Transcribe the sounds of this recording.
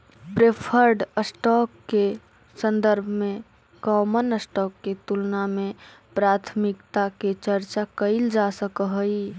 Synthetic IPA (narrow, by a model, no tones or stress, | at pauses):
pɾepʰəɾɖəsʈɔkːe | sənd̪əɾbʱme | kɔmənəsʈɔkːet̪ulname | pɾat̪ʰmikt̪aket͡ʃəɾt͡ʃakəɪld͡ʒasəkəɦəj